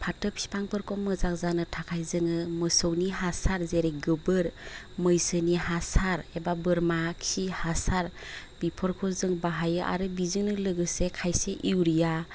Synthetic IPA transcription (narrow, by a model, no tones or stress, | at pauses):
pʰatɯpʰsi̥pʰaŋpʰɯɾkʰɔmɯzak̚zanɯtʰakʰajzɯŋɯmɯsɔwniɦasaɾzeɾeɡɯbɯɾ | məjsɯniɦasaɾebabɯɾmaksihasaɾ | b̥ipʰɔɾkʰɔzɯŋbaɦajɯʔa̰ɾɯbizɯŋnɯlɯɡɯsekʰajseʔiwɾija